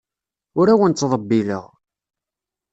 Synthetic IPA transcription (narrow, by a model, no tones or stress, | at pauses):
ʊɾæwənt͡sːðˤəbːilə̰ʁ